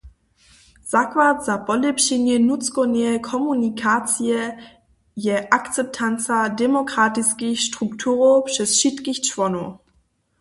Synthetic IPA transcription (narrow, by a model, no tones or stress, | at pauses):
z̥akvatz̥apɔlɛpʃinjɛnut͡skɔnɛkʰɔmunikʰat͡siɛ | jɛʔakt͡sɛp̚tʰant͡sadɛmokʁ̥atiskiçʃtʁ̥uktʰuːʁopʃɛsʃitkiçt͡ʃvɔno